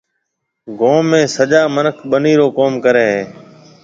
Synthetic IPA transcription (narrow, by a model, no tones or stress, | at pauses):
ɡõːẽːsəʄaːmənəkʰɓəniːɾoːkoːmkəɾeːɦeː